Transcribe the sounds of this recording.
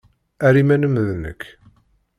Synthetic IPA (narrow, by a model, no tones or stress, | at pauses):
æɾimænəmðnə̰kː